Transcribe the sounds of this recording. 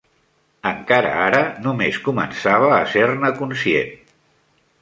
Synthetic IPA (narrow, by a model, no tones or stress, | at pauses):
əŋkaɾə̰aɾənumeskumə̰nsaβ̞əːsernəkunsiḛn